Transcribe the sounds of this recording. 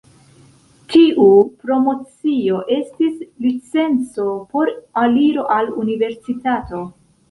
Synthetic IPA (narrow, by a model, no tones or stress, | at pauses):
tiʔupɾo̞mo̞t͡sio̞ʔe̞stislit͡se̞nt͡so̞po̞ɾaliɾo̞ʔalunive̞ɾsitato̞